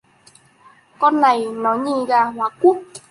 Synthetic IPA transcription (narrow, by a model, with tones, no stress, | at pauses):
kɔ˧nːa˨˩jnɔ˨˦ɲi˧ɣaː˧ɦwaː˨˦ku˦˥k̚